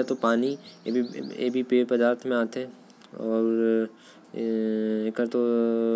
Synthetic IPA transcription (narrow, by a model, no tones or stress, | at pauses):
at̪opaːnibʱiḛːbʱipeːɾpɐd̪aːɾt̪ʰmẽaːt̪eɦɛ̃ | ɔːɾ | ekəɾt̪o